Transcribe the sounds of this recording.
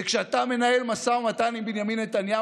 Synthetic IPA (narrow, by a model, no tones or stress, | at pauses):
ekʃeat̪ame̞nae̞lmasaumat̪animbinjaminːet̪anja